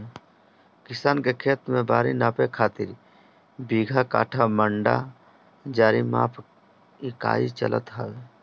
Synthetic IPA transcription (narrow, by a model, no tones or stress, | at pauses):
kɪsaːnkekʰeːt̪mẽbaːɾinaːpekʰaːt̪ɪɾ | biːɡʱaka̰ːʈʰaməɳɖa̰ | d͡ʒaːɾima̰ːpʰ | ɪka̰ːit͡ʃə̰lə̰t̪ɦaɡ